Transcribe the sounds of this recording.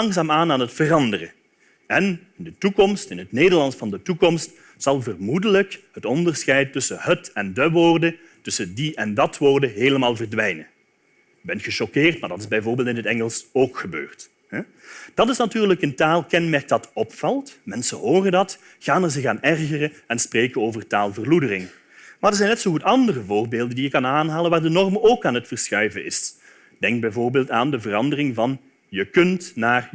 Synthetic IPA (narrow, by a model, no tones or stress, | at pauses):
ɑŋzaːmaːnaːnɦətfərɑndərə̰ | ɛnɪndətukɔmstɪnɦətneːdərlɑnsfɑndətukɔmst | sɑlˠvərmudələkɦətɔndərsxɛjtːɵsəɦətɛndəʋoːrdə | tɵsədiɛndɑtʋoːrdəɦeːləmaːlˠvərdʋɛjnə | bɛntxəʃɔkɪːrtmaːɹdɑtɪzbɛjvʊːrbeːlˠtɪnɦətɛŋəlˠsoːkxəbø̰ːrt | hɛ | d̥ɑtɪsnatyːrləkəntaːlˠkɛnmɛɹk̚d̥ɑtɔpfɑlˠtmɛnsənɦoːrəndɑt | ɣ̥aːnɛɹzɪxaːnɛrɣərəɛnspreːjkənoːvərtaːlˠvərludərɪŋ | maːdəɹzɛjnːɛtsoɦutɑndərəvʊːrbeːlˠdəndijəkːɑnaːnɦaːlənʋaːɹdənɔrmoːkaːnɦətfərsxœɥvəɪ̰s | d̥ɛŋk̚bɛjvoːrbeːlˠtaːndəvərɑndərɪŋvɑn | jəkɵntnaːr